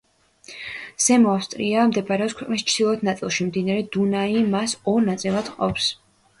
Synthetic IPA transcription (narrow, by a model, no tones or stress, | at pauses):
sɛmɔafst̪ʼɾiamd̪ɛpʰaɾɛɔskʰwɛqʼnist͡ʃʰd̪̥ilˠɔt̪ʰnat̪sʼilˠʃimd̪inaɾɛd̪̥unaimasɔɾnat̪sʼilˠad̪̥qʼɔ̰ps